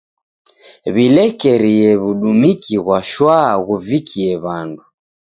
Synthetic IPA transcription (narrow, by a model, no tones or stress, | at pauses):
βilɛkɛɾiɛβuɗumikiɣwaʃwaɣuvikʰiɛβandu